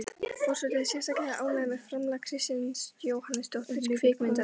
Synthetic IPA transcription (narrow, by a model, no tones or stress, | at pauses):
fɔr̥sɛt̪ɪðɪsjɛsakɛhaʔaːwmɛðmɛðfɾamlakʰɾɪst̪annsjoːwhanːɪst̪owht̪ɪskʰvɪːkmɪnt̪a